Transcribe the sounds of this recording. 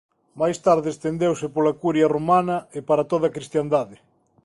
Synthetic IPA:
majst̪aɾðɪest̪end̪ewsɪpolɐkuɾjɐromanɐɪpaɾɐt̪oðɐakɾist̪jand̪aðɪ

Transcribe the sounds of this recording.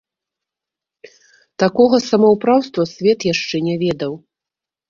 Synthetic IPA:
t̪akɔɣɐsɐmɐwpɾawst̪vɐsʲvʲɛt̪jaʂt͡ʂɛnʲɛvʲɛd̪ɐw

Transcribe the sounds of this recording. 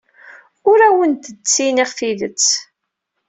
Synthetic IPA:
ʊɾæwənt̪ət͡sːiniʁfiðət͡sː

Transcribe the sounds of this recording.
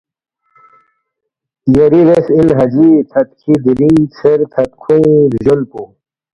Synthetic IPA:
jɐɾiɾesilɦɐd͡ʑit̪ʰɐt̪̚kʰid̪iɾiŋseɾt̪ʰɐt̪̚kʰuɾʑolpu

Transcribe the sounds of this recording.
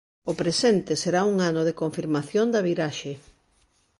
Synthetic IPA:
opɾesɛnt̪eseɾauŋanoðekoɱfiɾmaθjond̪ɐβiɾaʃe

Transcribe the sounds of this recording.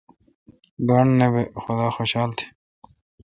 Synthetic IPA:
ɡaɳnebexʊd̪aːxoɕaːlt̪ʰe̥

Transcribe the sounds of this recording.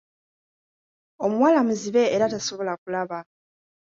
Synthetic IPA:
o̞muwalamuziβe̞ːɾataso̞βo̞lakulaβa

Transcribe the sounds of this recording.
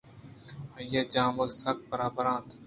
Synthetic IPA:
pʰəjaːd͡ʒãːmʋək̪sək̚bəɾaːbəɾãːt̪ʰ

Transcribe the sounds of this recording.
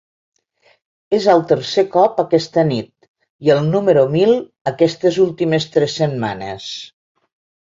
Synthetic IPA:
ezəlˠt̪əɾsekɔpəkɛst̪ənit̪̚ | iəlˠnuməɾumilˠ | əkɛst̪əzulˠt̪iməst̪ɾɛsːəmma̰nḛs

